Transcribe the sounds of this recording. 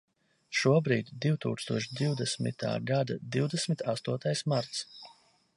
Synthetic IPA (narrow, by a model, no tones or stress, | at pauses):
ʃuɔbɾiːd̪d̪iwt̪uːkst̪uɔʃd̪iwd̪ɛsmḭt̪a̰ːɡad̪a̰d̪iwd̪ɛsmit̪ʰast̪uɔt̪ajsmaɾt̪s